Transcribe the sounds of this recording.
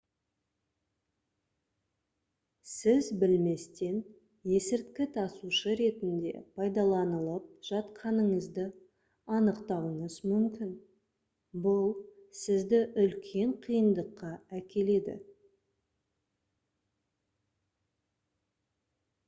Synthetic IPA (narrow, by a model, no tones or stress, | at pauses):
sɪzbɪlme̞st̪e̞n | je̞sɪɾt̪kʲɪt̪ʰɑsuʃəɾe̞t̪ɪnd̪e̞̰pʰɑjd̪ɑlˠɑnəlˠəp̚ʒ̥ɑt̪qʰɑnəɴəzd̪ə | ɑnəqt̪ɑwəɴəzmʏmkʲɪn | bʊlˠsɪzd̪ɪʔʏlkʲʰe̞ɴqʰijənd̪əqːɑækʲe̞le̞d̪ɪ̰